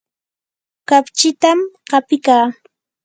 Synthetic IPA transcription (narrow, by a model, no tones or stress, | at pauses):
kapt͡ʃɪt̪amɢɑpɪkaː